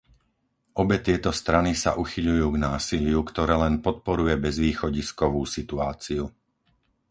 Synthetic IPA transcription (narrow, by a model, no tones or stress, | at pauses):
ʔɔbɛt̪ɪɛt̪ɔst̪ɾanisa̰ʔuxiʎujuːɡnaːsiʎɪukt̪ɔɾɛːlɛnpɔt̪̚pɔɾujɛbɛzʋiːxɔɟiskɔʋuːsit̪uaːt͡siu